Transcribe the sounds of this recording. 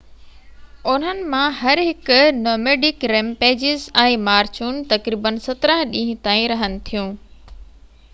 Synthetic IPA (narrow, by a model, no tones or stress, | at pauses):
ʊn̤ənɪ̆mãɦɐɾɦɪkʊnoːmeːɖɪkɾẽːmpeːd͡ʑɪzɛ̃ːmaːɾt͡ɕʰuːnt̪ɐkɾiːbənsɐt̪ɾə̃ɦɗĩːɦɪ̃t̪ãːĩɾɐɦənɪ̆t̪ʰijũː